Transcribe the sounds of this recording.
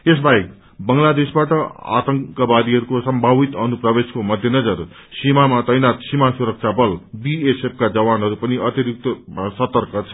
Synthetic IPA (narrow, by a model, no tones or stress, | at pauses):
es̬baek̚ | bʌŋlad̪esbaʈʌa̰t̪ʌŋkʌbaɾiɦʌɾukosʌmbʱabit̪ʌnuprʌbeskomʌd̪ʱjenʌd͡zʌr | simamat̪ʌjnat̪simasuɾʌk̚t͡sʰabʌlbiesep̚ʰkad͡zʌβanɦʌɾupʌniʌt̪iɾik̚t̪ʌmsʌt̪ʌrkʌt͡sʰʌ